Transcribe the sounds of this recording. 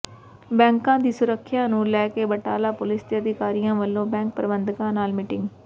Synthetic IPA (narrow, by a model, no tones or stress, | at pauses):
bɛ̃ːŋkãːd̪iːsʊɾəkʰːjãːnũːlɛːkeːbəʈaːlaːpʊlɪsd̪eəd̪ɪkaːɾijãːʋəlːõːbɛ̃ːŋk̚pəɾbənd̪kãːnaːlmɪʈɪŋɡ